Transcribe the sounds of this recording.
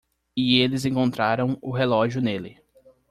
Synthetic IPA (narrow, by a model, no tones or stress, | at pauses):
ɪelɪzẽŋkõnt̪ɾaɾɐ̃w̃ʊɦelɔʒjʊnelɪ